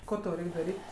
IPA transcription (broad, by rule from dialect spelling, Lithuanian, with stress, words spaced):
ˈkoː tɐʊ ˈrʲɛɪkʲ dɐˈrʲiːtʲ